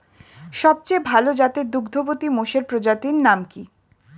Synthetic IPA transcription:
ʃɔb̚t͡ɕejbʱalod͡ʑat̪ed̪uɡd̪ʱobot̪imoʃeɾpɾod͡ʑat̪inːamki

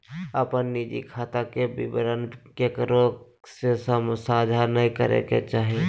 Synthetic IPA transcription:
əpənːid͡ʒḭkʰaːt̪akebɪ̰bɾənkekɾo | sesəmsaːd͡ʒ̪ʱaːɾnəɦĩkəɾḛkḛt͡ʃaːɦie

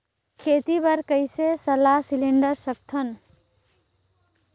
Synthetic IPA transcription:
kʰet̪ibəɾkəɪsesəlasiliɳɖəɾsək̚t̪ʰən

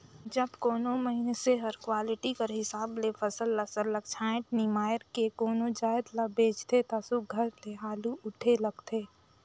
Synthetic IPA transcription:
d͡ʒəbkoːnoməɦineseɦɐɾkwaːlɪʈikəɾɦɪsaːblefʰɐsəlːəsəlːəɡ̚t͡ʃʰaːɪ̃ʈ̚nimaːjəɾkekoːnod͡ʒaːəd̪labeːd͡ʒt̪ʰet̪asuɡʱəɾleɦaːluʊʈʰelɐɡt̪ʰeː

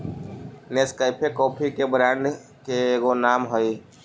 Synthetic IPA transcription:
neskəjpʰekɔːpʰikebɾãɳɖ | keːɡonamɦəi

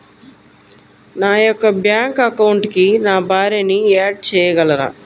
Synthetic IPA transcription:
naːjɔkːɐbjaːŋkɐkɐwuɳʈkinaːbʱaːɾiniaːɖ̚t͡ʃɛːjɐɡɐlɐɾa̰ː

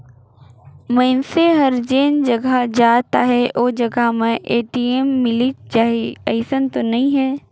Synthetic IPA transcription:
mɐ̃ɪnseɦɐɾd͡ʒeːnd͡ʒɐɡʱad͡ʒaːt̪aɦɛʔoːd͡ʒɐɡamẽʔeːʈiːemːɪlid͡ʒaɦiɐɪsənt̪onɐɦĩɦɛː

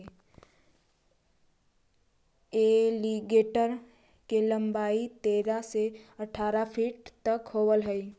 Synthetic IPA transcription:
eːliɡeːʈəɾ | kelɐ̃mbaːit̪eːɾaseɐʈʰaːɾapʰiːʈt̪ɐkhoːwəlɦɛi

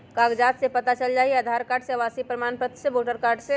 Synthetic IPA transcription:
kaɡd͡ʒat̪sẽpət̪at͡ʃəld͡ʒaːɦieəd̪ʱaɾkaɾɖseʋasipɾəmanpət̪seboʈəɾkaɾɖse

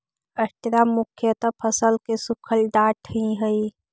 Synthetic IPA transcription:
əʈɾamʊkʰjət̪əpʰəsəlkesukʰəlɖ̪aʈʰĩɦəi

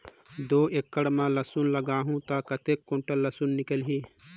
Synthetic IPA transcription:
d̪oekːəɽmãləsunləɡaːɦũt̪akət̪ekːõɳʈəlːəsunːɪkəlɦiː

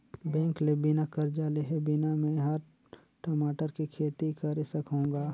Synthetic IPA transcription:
bɛ̃ːŋklebɪnakɐɾd͡ʒaːleɦebɪnamẽɦɐɾ | ʈəmaːʈəɾkikʰeːt̪ikɐɾesɐkɦõːŋɡaː

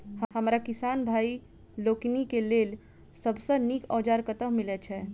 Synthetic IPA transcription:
həhəmɾakisanbʱai | loknikelel | səbsə̃nikɔːd͡ʒaɾkət̪əɦmilɛt͡ʃʰɛ

